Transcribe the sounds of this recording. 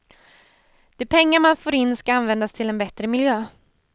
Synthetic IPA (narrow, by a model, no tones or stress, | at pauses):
d̪̥ɛːpʰɛŋːamanfoːɾɪnːskaanvɛnd̪ast̪ʰɪlɛnbɛt̪ɾəmɪljøː